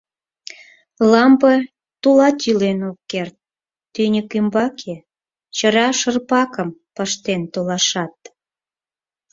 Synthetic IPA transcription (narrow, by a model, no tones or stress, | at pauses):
lɑmbə | t̪ulɑt̪jylenokːert̪̚ː | ynʲəkymbɑkʰe | t͡ɕəɾɑʃərpɑkəmpəʃt̪ent̪olɑʃɑt̪̚